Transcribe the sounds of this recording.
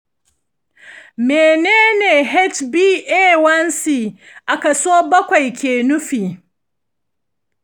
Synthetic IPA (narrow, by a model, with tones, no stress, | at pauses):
meː˨neː˦neː˨ɦɛ˦t͡ʃbiː˦ʔeː˦wɐ˦nsiː˨ | ʔa˨kɐ˨soː˦bɐ˦kʷa˨jkʲeː˨nʊ˦ɸiː˨